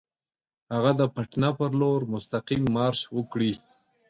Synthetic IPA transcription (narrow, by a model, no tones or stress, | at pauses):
haɣad̪əpaʈnapəɾloɾmʊst̪aqimːɑɾʃwəkɽi